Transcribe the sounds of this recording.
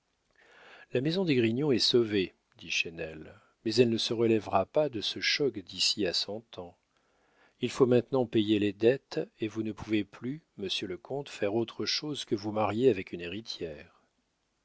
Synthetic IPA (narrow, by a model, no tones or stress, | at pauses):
lamezɔ̃d̪eɡʁiɲjɔ̃ɛsove | d̪iʃenɛl | mɛzɛlnəsəʁəlɛvʁapad̪əsəʃɔkd̪isiasɑ̃t̪ʰɑ̃ | ilfomɛ̃t̪nɑ̃pejeled̪ɛt̪evunəpʰuveplyməsjøləkʰɔ̃t̪fɛʁot̪χəʃozkəvumaʁjeavɛkyneʁit̪jɛːʁ